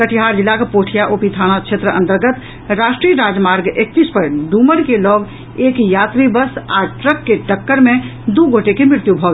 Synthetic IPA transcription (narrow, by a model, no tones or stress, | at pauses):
kəʈʰiɦaɾd͡ʒilːakepoʈʰijaʔopit̪ʰaɽ̃at͡ʃʰet̪ɾəə̃nt̪əɾɡət̪ | ɾaʃʈɾijəɾad͡ʒmaɾɡek̚t̪ispəɾɖuməɾkelɔʋ | ekjat̪ɾibəsaʈɾəkːeʈəkːəɾmẽd̪uɡʱoʈekemɾɪɾt̪jubʱɔb